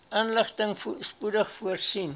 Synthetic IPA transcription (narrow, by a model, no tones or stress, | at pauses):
ʔaːnləχtəŋspudəχfuərsin